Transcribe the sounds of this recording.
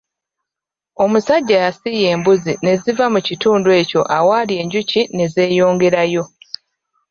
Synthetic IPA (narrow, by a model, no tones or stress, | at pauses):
o̞musaɟːajasije̞ːmbuzine̞zivamucituːndwe̞ːco̞ʔawaːlje̞ːɲɟucine̞ze̞ːjo̞ːŋɡeɾajo̞